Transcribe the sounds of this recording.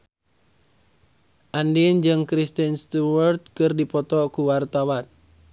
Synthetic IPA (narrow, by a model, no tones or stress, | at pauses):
ʔandind͡ʒɨŋkɾist̪inst̪uwərt̪̚kɨrdipɔt̪ɔkuwart̪awan